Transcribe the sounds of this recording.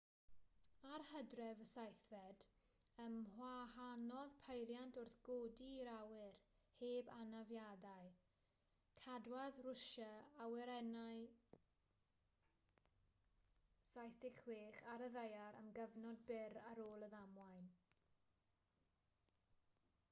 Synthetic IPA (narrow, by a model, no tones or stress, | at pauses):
arhədrɛvəsajθvɛd | əmhwahanɔðpʰejɾjantʰʊrθɡ̥oːdiɾawɪr | heːbanavjadaj | kʰadwaðrʊʃaawɛɾɛnaj | sajθɪkweːχaɾəðejaɾə̰mɡəvnɔd̚bɪɾaɾoːlˠəðamwajn